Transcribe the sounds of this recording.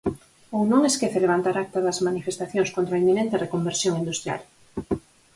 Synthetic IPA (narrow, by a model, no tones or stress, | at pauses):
onõŋeskeθeleβ̞ant̪aɾak̚t̪aðɐzmanifest̪aθjoŋskõnt̪ɾaimːinẽnt̪erekombeɾsjoŋind̪ust̪ɾja̰l